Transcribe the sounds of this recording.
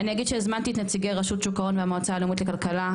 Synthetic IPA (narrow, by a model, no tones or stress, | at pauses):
anijaɡid̥̪ʃezmant̪iːt̪nat͡siɡejʁaʃut̪ʃukaʁo̞nveamoat͡saːlomitlekalkala